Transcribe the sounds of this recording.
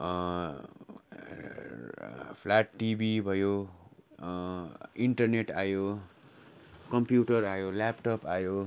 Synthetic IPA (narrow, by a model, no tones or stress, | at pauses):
pʰlaʈːibʱibʱʌjo | iɳʈʌrneʈajo | kʌmpjuʈʌrajolapʈʌpajo